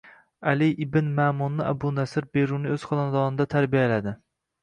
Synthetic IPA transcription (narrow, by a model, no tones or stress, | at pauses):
alɪʔɪbɪnmamunːɪabʊnasɪɾbeɾunɪɵz̥χɒnand̪ɒnɪd̪at̪ʰaɾbijalad̪ɪ